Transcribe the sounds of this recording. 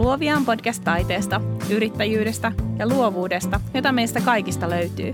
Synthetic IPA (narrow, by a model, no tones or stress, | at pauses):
luoʋiɑːmpo̞dkæst̪ːɑjt̪e̞ːst̪ɑyɾit̪ːæjyːdest̪æjɑluoʋuːdest̪ɑjo̞t̪ɑme̞jst̪ækɑjkist̪ɑløɥt̪y̰ː